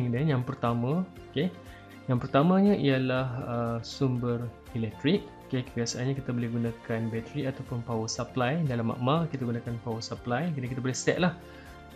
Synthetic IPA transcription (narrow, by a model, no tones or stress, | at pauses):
ŋdənjaŋpərt̪amãoke | jaŋpərt̪amãɲãʔijalahəsumbər | ilɛk̚t̪ɾik̚okebiasaanɲãkit̪abolɛhɡunãkanbɛt̪əɾiat̪awpʊnpawəsaplajdalamːa̰ʔmakit̪aɡunãkanpawəsaplajkdakit̪abolɛhsɛ̰ʔ̚lah